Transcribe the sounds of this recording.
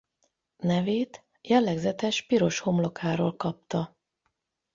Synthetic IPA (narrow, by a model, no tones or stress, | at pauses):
nɛveːt̪ | jɛlːɛɡzɛt̪ɛʃpiɾo̞ʃho̞mlo̞kaːɾoːlkɒp̚t̪ɒ